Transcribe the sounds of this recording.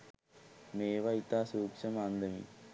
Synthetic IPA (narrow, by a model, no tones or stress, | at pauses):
meːʋɐit̪aːsuːkʂɐmɐnd̪ɐmḭ